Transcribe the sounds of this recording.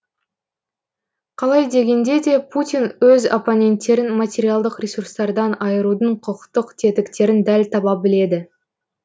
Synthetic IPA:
qʰɑlˠɑjd̪e̞ɡʲe̞nd̪e̞d̪e̞pʰut̪ʲijnwɵzoponʲe̞nt̪ːe̞ɾɪnmat̪ʲe̞ɾʲijalˠd̪əqɾʲesurst̪ɑɾd̪ɑnɑjəɾud̪əɴqʰəqə̥qt̪əqt̪ʰet̪ɪkt̪e̞ɾɪnd̪ælt̪ʰɑbɑp̚bɪle̞d̪ɪ

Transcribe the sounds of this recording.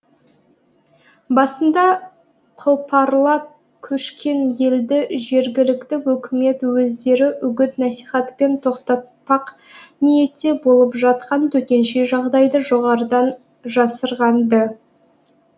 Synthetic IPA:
bɑsənd̪ɑ | qʰopʰɑɾlˠɑ | kʲʰɵʃkʲʰe̞nje̞ld̪ɪʒe̞ɾɡʲɪlɪkt̪ɪwɵkʲɪme̞t̪wɵzd̪e̞ɾɪʔʏɡʲɪt̪næsiχɑt̪pe̞nt̪ʰo̞qt̪ɑt̪̚pɑq | nije̞t̪ːe̞bo̞lˠəpʒɑt̪̚qɑnt̪ʰɵt̪e̞nʃe̞ʒɑʁd̪ɑjd̪əʒo̞ʁɑɾəd̪ɑn | ʒɑsəɾʁɑnbə

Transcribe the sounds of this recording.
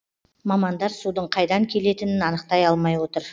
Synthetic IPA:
mɑmɑnd̪ɑɾsud̪əɴqʰɑjd̪ɑŋkʲʰe̞le̞t̪ɪnɪnɑnəq̚t̪ɑjɑlˠmɑjwo̞t̪əɾ

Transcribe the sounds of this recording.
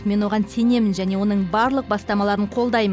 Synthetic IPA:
me̞nwo̞ʁɑnse̞ne̞mɪnʒæne̞wo̞nəɴbɑɾlˠəq̚bɑst̪ɑmɑlˠɑɾəɴqʰo̞lˠd̪ɑjm

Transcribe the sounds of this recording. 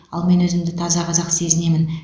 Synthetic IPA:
ɑ̰lˠme̞nwɵzɪmd̪ɪt̪ʰɑzɑqʰɑzɑqse̞zɪne̞mɪn

